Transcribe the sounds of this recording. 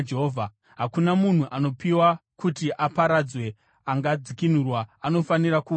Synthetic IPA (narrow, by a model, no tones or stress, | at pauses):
d͡ʒeɦoːvʱa | ɦakunamun̤uʔano̞piwakutiʔapaɾad͡zwe̞ | aŋɡad͡zikin̤urwaano̞faniɾaku